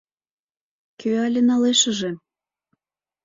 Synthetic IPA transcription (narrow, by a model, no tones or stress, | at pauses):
køɑlʲenɑleʃə̆ʒĕ